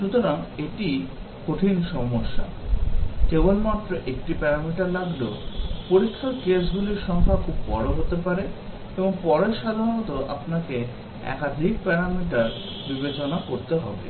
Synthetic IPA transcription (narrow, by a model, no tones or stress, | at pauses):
ʃut̪oɾaŋeʈi | koʈʰinʃɔmoʃːa̰ | kebolmat̪ːɾoʔekʈipɛɾamiʈaɾlaɡlo̰poɾikʰːaɾkesɡuliɾʃɔŋkʰakʰubːɔɾoɦot̪epaɾe | eboŋpɔɾeɾʃad̪ʱaɾonot̪oʔa̰pnake | ɛ̰kad̪ʱik̚pɛɾamiʈaɾ | bibet͡ɕonakoɾt̪eɦɔ̰bḛ